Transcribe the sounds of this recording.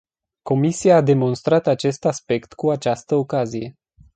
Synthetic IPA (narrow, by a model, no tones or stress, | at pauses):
ko̞misiaːd̪e̞mo̞nst̪ɾat̪at͡ʃe̞st̪aspe̞kt̪kuat͡ʃast̪əo̞kazije̞